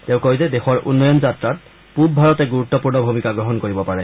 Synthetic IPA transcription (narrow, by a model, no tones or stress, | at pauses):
teʊ̃koizɛdexɔɹʔṵnːɔjɔnzatɹat̚ | pub̚bʱaɹɔtɛɡuɹut̪ːɔpuɹnɔbʱumikaɡɹɔɦɔnkoɹibɔpaɹɛ